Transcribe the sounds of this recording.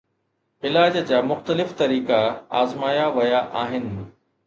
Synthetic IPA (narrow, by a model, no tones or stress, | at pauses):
ɪlaːd͡ʑd͡ʑaːmʊxt̪əlɪft̪ɐɾiːkaa̰ːzmaːjaʋɐjaʔaːɦɪnɪ̆